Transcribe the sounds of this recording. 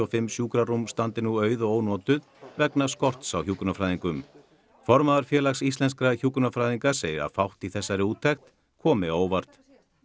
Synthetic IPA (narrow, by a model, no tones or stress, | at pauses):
ɔfɪmːsjuːkɾaɾumst̪ant̪ɪnuœːɥðɔoːwnɔːt̪ʏð | vɛknaskɔr̥t̪sawçuːkɾnafɾajðiŋkʏm | fɔɾmaðaɾ̥fjɛːlaksist̪lɛnskɾaçuːkɾnafɾajðiŋkaseːjɾa̰fawht̪iθɛsːaɾɪuːt̪ʰːɛxt̪ | kʰɔːmɪoːwvar̥t̪